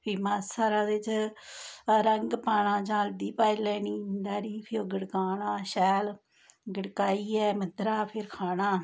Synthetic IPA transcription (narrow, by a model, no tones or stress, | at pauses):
pʰiːmãːsaːɾaːd̪ɪt͡ʃ | ɾəŋɡpaːɳãːt͡ʃãːld̪iːpaːiːlɛːniːmnd̪aːɾiːpʰɪoːɡəɽkaːnãːʃɛːl | ɡəɽkaːiːɛːməd̪ɾaːpʰɪɾkʰaːnaː